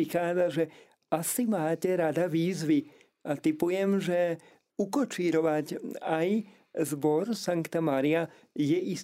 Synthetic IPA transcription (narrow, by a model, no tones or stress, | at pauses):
ixaːd͡zaʒɛ | asimaːcɛɾad̪aʋiːzʋi | at̪ipujɛmʒɛ | ukɔt͡ʃiːɾɔʋacaj | zbɔɾsaŋkt̪amaɾia | jɛʔis